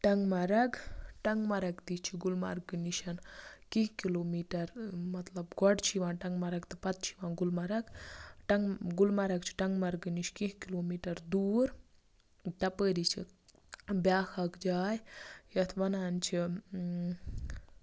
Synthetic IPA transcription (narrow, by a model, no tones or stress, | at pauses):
ʈɐŋɡmɐɾɐɡʈɐŋɡmɐɾɐɡt̪it͡ʃʰiɡulma̰ɾɡɨniʃɐnkĩɦkiloːmiːʈɐɾmɐt̪lɐbɡɔɖt͡ʃʰiʋãːʈɐŋɡmɐɾɐɡt̪ɐpɐt̪̚t͡ʃʰi̥ʋãːɡulmɐɾɐɡʈɐŋɡɡulmɐɾɐɡt͡ʃʰi̥ʈɐŋɡmɐɾɡɨniʃkiɦkiloːmiːʈɐɾd̪uːɾ | ʈɐpəːɾit͡ʃʰi | bjaːkʰɐkd͡ʒaːjjɐt̪ʰʋɐnaːnt͡ʃʰi